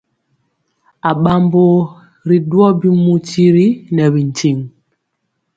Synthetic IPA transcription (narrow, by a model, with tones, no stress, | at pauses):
a˨ɓa˨mbo˦ | ɾi˨dwɔ˦bi˦mu˦ti˦ɾi˦nɛ˨bi˨n˨ti˨ŋ